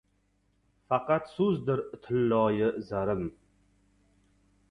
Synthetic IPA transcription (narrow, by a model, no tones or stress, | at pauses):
fɑqɑt̪sʊzd̪ɪɾt̪ʰɪlːɒːjɪzaɾɪm